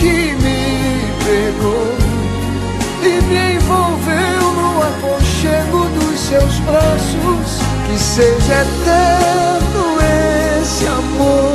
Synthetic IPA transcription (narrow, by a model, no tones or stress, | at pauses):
kɪmɪ | peɾɡo | ɪmɪẽj̃vowvewnũamoɾʃeɡʊd̪ʊsewsbɾasʊs | kɪseʒɛt̪ɛd̪ʊe | sɪamoɾ